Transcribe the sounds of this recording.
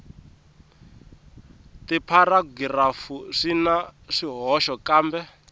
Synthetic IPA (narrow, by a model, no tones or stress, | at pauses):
tipʰaraɡirafuʂinaʂiɦɔʃɔkaːmbɛ